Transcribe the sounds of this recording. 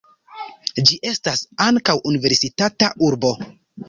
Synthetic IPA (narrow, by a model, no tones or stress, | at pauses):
d͡ʒiʔe̞stasaŋkawʔunive̞ɾsitataʔuɾbo̞